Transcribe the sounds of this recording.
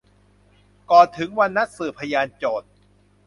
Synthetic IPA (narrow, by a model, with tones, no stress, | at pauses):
kɔː˨˩t̪ʰɯ˩˦ŋwa˧nːa˦˥t̪̚sɯː˨˩pʰa˧jaː˧nt͡ɕoː˨˩t̪̚